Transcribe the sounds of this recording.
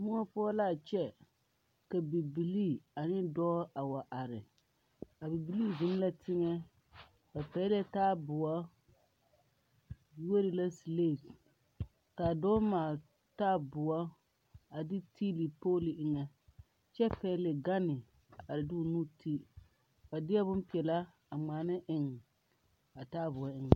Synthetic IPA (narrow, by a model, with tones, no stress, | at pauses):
mʊ˦ŋɔ˦pʊ˦ɔ˦la˦˨t͡ʃɛ˦ | ka˨bi˨bi˨li˦a˨nɪ˦dɔ˦ʔa˨wa˨ʔa˨ɾɪ˨ | a˨bi˨bi˨li˦zʊ˨˦m˦la˦tɪ˦ŋɛ˦ | ba˨pɛ˨˦lɛ˦taː˦bʊ˨wa˦ | wo˦ɾi˨la˦si˨le˦˨s | ka˨dɔː˦maː˨ | taː˦bʊ˨wa˦ | a˨dɪ˦tʰi˦li˨poː˦li˨ʔɪ˨ŋɛ˨ | t͡ʃɛ˦pɛ˦lɪ˨ɡa˦nɪ˨ | a˨ɾɪ˨du˦˨nu˦ti˦ | ba˨dɪ˦a˦bʊ˦m˦pi˨ɛ˨la˦ | a˨ŋ͡maː˨nɪ˦ʔɪ˨ŋ˨ | a˨taː˦bʊ˨a˦ɪ˦ŋ˨